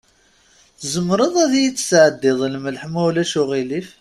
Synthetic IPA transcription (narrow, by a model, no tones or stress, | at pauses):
θzəmːɾˤəðˤæðjit͡sːsʕəd̪ːɪðˤlməlħmæwlæʃʊʁilif